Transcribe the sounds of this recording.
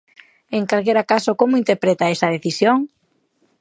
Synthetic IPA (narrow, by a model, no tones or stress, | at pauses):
eŋkalkeɾakasokomʊint̪eɾpɾet̪aɛsɐð̞eθisjoŋ